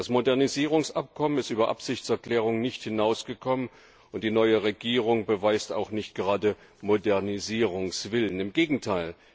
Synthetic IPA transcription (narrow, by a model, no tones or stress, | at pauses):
d̥asmodɛɐniziːʁ̞ʊŋsʔap̚kʰɔmənɪstʔyːbɐʔa̰pz̥ɪçt͡sɛɐkl̥ɛːʁ̞ʊŋnɪçthɪnaʊsɡ̥əkʰɔmən | ʊnt̚d̥iːnɔʏəʁeɡiːʁ̞ʊŋbəvaɪsta̰ʊxnɪçt̚ɡ̥əʁaːdə | modɛɐniziːʁʊŋsv̥ɪlənɪmɡeːɡŋ̩tʰaɪl